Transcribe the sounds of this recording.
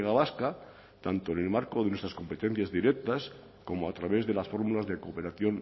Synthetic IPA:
ɣaβaska | t̪ant̪o̞enelmaɾko̞ðe̞nwe̞st̪ɾasko̞mpe̞t̪e̞n̟θjazðiɾek̚t̪as | ko̞moat̪ɾaβe̞zðe̞lasfo̞ɾmulazðe̞ko̞pe̞ɾaθjo̞n

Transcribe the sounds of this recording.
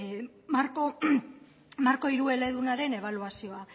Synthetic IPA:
maɾko | maɾko̞iɾue̞le̞ðunaɾe̞ne̞β̞aluasio̞a

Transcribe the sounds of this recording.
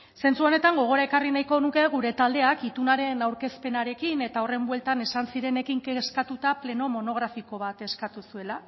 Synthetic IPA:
se̞nt͡suo̞ne̞t̪aŋɡo̞ɣ̞o̞ɾaekarinajko̞nuke̞ɣuɾe̞t̪ald̪e̞akit̪unaɾe̞nawɾke̞spe̞naɾe̞kine̞t̪ao̞re̞mbwe̞lt̪ane̞sansiɾe̞ne̞kiŋkeskat̪ut̪aple̞no̞mo̞no̞ɣ̞ɾafiko̞βat̪e̞skat̪usue̞la

